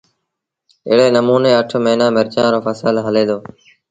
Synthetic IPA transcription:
ɪːɽeːnəmuːneːəʈʰmẽːnãːmɪɾt͡ʃãːɾoːpəsəlɦəleːd̪oː

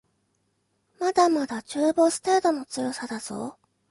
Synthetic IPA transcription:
mad̪amad̪at͡ɕɨːbo̞ːsɨ̥t̪aːd̪o̞no̞t͡sɨjo̞sad̪azo̞̰ː

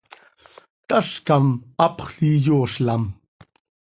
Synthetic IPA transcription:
t̪aʂkamɑpχɬijoːʂlam

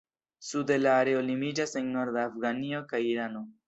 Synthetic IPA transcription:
sud̪elaːɾeolimid͡ʒaseŋnoɾd̪eafɡaniokajiɾano

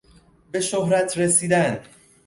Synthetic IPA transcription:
be̞ʃoɦɾæt̪ʰɾesiːd̪æn

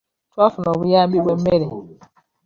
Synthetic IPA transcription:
twafunɔβujaːmbibwemːeɾe

